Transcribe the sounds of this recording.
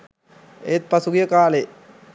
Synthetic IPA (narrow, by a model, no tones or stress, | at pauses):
ḛːt̪̚pɐsuɡijəkaːle